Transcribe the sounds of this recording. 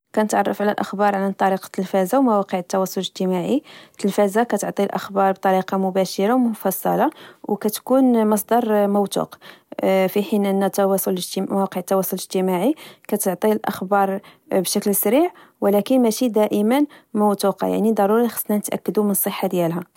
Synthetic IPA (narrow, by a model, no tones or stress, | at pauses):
kænət̪ʕɑrˤːɑfʕlælʔəxbɑɾˤʕant̪ˤːɑɾiqɑ̥t̪əlfæzawmæwɑqəʕət̪ːɑwɑsˤoləʒt̪əmaʕit̪əlfæzakæt̪oʕt̪ˤilʔə̰xbɑɾˤbt̪ˤɑɾiqɑmʊbæʃəɾɑwmʊfɑsˤːɑ̰lɑwkæt̪kunmɑs̬ˤd̪ɑɾˤmʊwt̪ṵq | fiħinʔənːæt̪ːwɑsˤolʒt̪mæwɑqəʕt̪ːɑwɑsˤoləʒt̪əmaʕikæt̪əʕt̪ˤilʔə̰xbɑɾˤ | bʃæklsɾiʕ | wəlækənmæʃid̪æʔəmənmʊwt̪uqɑ̰ja̰ʕnid̪ˤɑɾˤuɾixɑ̥sˤːnænət̪ʔæ̰kːəd̪umənəsˤːəħːad̪jælɦæ